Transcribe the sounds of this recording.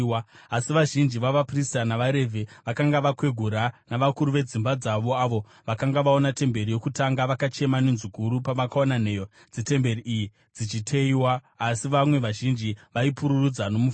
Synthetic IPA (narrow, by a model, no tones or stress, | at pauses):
aasiʋaʒind͡ʒiʋaʋapristanaʋaɾe̞vʱe̞ʋakaŋɡaʋakwe̞ɡʱuɾanaʋakuɾuʋe̞d͡zimbad͡zaʋo̞aʋo̞ | ʋakaŋɡaʋao̞nate̞mbe̞ɾijo̞kutaŋɡaʋakat͡ʃe̞manenzukuɾupaʋakaonane̞ːjo | d͡zite̞mbe̞ɾiʔːji | d͡zit͡ʃitʰeiwaː | siʋamwe̞ʋaʒind͡ʒiʋaipuɾurud͡zano̞muf